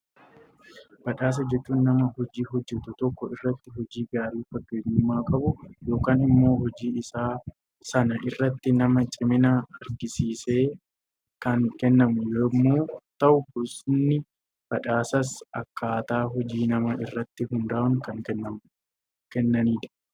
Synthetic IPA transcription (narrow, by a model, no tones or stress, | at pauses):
b̥ɐᶑaːs̬ɐd͡ʒɛt͡ʃːuːnːɐmɐhɔd͡ʒiːɦɔd͡ʒːɛt̪ʊt̪ɔkːɔɪrːɐt̪ːɪɦɔd͡ʒiːɡaːɾiːfɐɡːeːnʊmːaːkʼɐbʊjo̞ːkaːnɪmːo̞ːɦɔd͡ʒiːɪsaː | sɐnɐʔɪrːɐt̪ːɪnɐmɐt͡ʃʼɪmɪnɐɐɾɡɪsiːseː | kɐnkɛnːɐmʊjoːmːoːt̪ɐʔʊbʊɾsɪnːɪ | b̥ɐᶑaːsɐsɐkːaːt̪aːɦɔd͡ʒiːnɐmɐɪrːɐt̪ːɪhʊnd̪aːʔʊŋkɐŋkɛnːɐm | kɛnːɐniːᶑ̪ɐ̥